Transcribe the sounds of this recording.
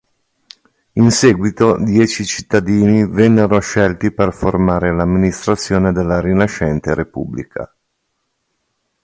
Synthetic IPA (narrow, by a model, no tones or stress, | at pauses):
inseːɡwit̪od̪jɛːt͡ʃit͡ʃi̥t̪ːad̪iːnivɛnːeɾoʃɛlt̪iperformaːɾelamːinist̪ɾat̪sːjoːned̪elːaɾinaʃɛnt̪eɾepṵbːlḭkʰa̰